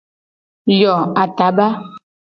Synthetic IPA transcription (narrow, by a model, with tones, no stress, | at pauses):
jɔ˨a˨t̪a˨˦ba˦